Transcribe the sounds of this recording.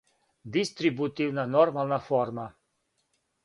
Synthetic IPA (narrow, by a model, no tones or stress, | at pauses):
d̪ist̪ɾibut̪iwnanɔɾmalnafɔɾma